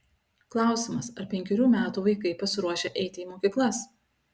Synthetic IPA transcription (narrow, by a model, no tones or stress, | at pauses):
klˠɑˑʊsʲɪmɐsɐɾpʲɛŋʲkʲɛɾʲuːmʲæːt̪uːʋɐɪkɐɪpɐsʲɪɾuɔʃʲeʔɛɪt̪ʲɪiːmoːkʲiːklˠɐs